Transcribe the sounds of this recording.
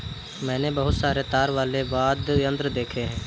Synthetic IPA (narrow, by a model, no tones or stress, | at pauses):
mɛ̃ːnebəɦʊt̪saːɾet̪aːɾʋaːleʋaːd̪ə̃nd̪ɾd̪eːkʰeɦɛ̃ː